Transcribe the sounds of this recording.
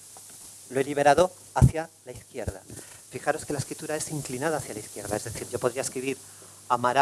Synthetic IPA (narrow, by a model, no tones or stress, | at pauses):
loe̞liβ̞e̞ɾaðo̞ | aθjalaiθkje̞ɾðafixaɾo̞skelaeskɾit̪uɾae̞siŋklinað̞aːθjalaiθkjeɾða̰e̞zðeθiɾʝo̞po̞ð̞ɾiaeskɾiβiɾ | amaɾa